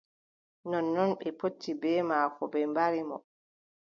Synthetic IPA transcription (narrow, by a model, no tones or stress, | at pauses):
nɔnːɔnɓɛpotːibɛːmaːkɔbɛmbaɾimɔ̰